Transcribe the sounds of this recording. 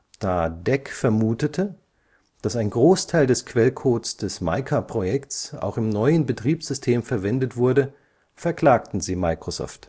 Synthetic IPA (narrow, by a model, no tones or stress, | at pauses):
d̥aːdɛkfɛɐmuːtətʰə | d̥asaɪnɡʁoːstʰaɪldɛskʰv̥ɛlkʰoːtsd̥ɛsmaɪkʰapʁ̥ojɛktsʔa̰ʊxɪmnɔʏənbətʁ̥iːpz̥ʏstʰeːmfɛɐvɛndətv̥ʊɐdə | fɛɐkl̥aːktn̩ziːmaɪkʁ̥ozɔ̰ːft